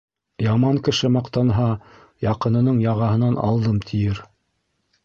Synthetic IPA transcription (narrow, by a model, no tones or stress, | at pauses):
jɑmɑŋkɘ̆ʃɘmɑqt̪ɑnɦɑ | jɑqɤ̆nɤ̆nɤɴjɑʁɑɦɤ̆nɑnɑ̰lˠd̪ɤmt̪ʰijɘɾ